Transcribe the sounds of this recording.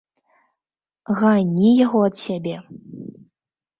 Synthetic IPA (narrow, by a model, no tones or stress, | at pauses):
ɣanʲijaɣɔɐt̪sʲabʲɛ